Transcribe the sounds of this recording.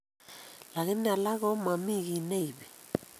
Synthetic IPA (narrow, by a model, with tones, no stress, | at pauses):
la˨ɣɛ˦mi˦a˨la˦ɣɔ˦ma˨mi˦ɣi˨ne˦i˨βɛ˨